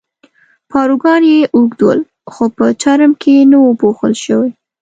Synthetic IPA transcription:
pɑɾuɡɑnjeʔuɡd̪wə̰l | xopət͡ʃaɾmkʰenawəpoxəlʃəwe

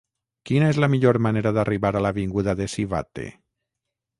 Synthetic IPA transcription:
kinaezlamiʎoɾmaneɾaðariβaɾalaβiŋɡuðaðesiβa̰t̪ḛ

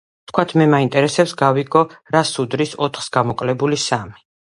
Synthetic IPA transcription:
t̪ʰkʰwat̪ʰmɛmaint̪ʼɛɾɛsɛpsɡaviɡɔɾasud̪ɾisɔt̪ʰχsɡamɔkʼlɛbulisami

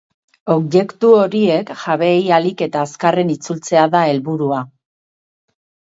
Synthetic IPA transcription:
o̞kje̞kt̪uo̞ɾie̞kʝaβe̞jalike̞t̪aːskare̞nit͡sult͡se̞aðae̞lβuɾua

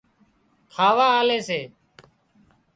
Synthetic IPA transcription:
kʰaːʋaːaːleːseː

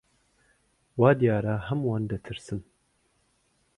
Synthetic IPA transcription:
wɑːd̪ijɑːɾaːɦɐmwɑːnd̪ɐt̪ʰɨɾsɨm

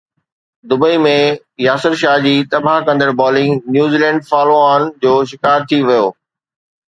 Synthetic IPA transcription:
d̪ʊbəimẽ | jaːsəɾʃaːd͡ʑiːt̪ɐbʱaɦkɐ̃nd̪əɾbɔːlɪ̃ŋɡnjuːziːlɛ̃ːɳɖfaːloaːnd͡ʑoːʃɪkaːɾt̪ʰiʋɐjoː

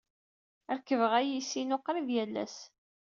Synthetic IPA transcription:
əɾkːəvəʁæjisinoqːɾiðjælːæ̰s

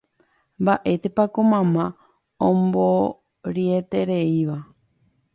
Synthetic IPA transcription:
mbaʔe̞t̪e̞pakomãmã | õmbo | ɾiet̪e̞ɾe̞iʋa

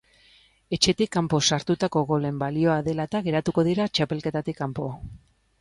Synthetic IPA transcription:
e̞t͡ʃe̞t̪ikːampo̞saɾt̪ut̪ako̞ɣo̞le̞mbalio̞aðe̞lat̪aɣe̞ɾat̪uko̞ðiɾat͡ʃape̞lke̞t̪at̪ikːampo̞

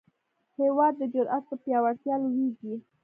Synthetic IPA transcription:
hewɑd̪ːəd͡ʒʊɾʔat̪̚pəpjɑwaɽt̪jɑlwiɡi

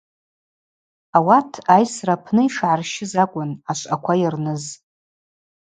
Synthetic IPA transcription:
awatʰajsrapʰnɨiʂʕarʃɪzakʷʼʊnaʃʷʼakʷʰajirnɨz

